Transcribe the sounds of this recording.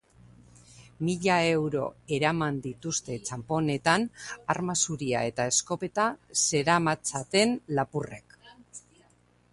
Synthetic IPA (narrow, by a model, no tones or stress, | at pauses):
miʎae̞wɾo̞̰e̞ɾamand̪it̪ust̪e̞t͡ʃampo̞ne̞t̪anaɾmasuɾia̰e̞t̪ae̞sko̞pe̞t̪ase̞ɾamat͡sat̪e̞nlapure̞k